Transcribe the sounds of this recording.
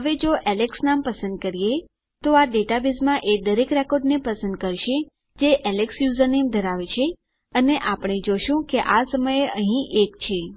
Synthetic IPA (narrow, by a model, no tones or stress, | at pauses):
ɦəʋed͡ʒoʔɛleksnampəsə̃nd̪̚kəɾije | t̪oaɖeʈabizmãʔed̪əɾekɾɛkoɾɖnepəsə̃nd̪̚kəɾʃe | d͡ʒeʔɛleksjuzəɾnemd̪ʱəɾaʋet͡ʃʰe | əneʔapɽ̃ed͡ʒoʃũkeʔasəməjeʔəɦĩʔekt͡ʃʰe